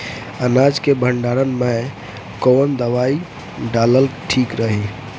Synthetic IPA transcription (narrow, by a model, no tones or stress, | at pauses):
ənad͡ʒkebʱəɳɖaɾənme | kɔnd̪əʋai | ɖaləlʈʰikɾəɦi